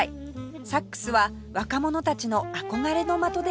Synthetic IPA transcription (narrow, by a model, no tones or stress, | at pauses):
i | sakːɯ̟̥sɨβa | βakamo̞no̞t̪at͡ɕino̞ako̞ɡaɾe̞no̞mat̪o̞d̪e